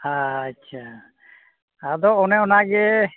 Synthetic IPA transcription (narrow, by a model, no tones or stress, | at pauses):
haːt͡ʃʰa | ad̪ɔɔnɛɔnaɡɛ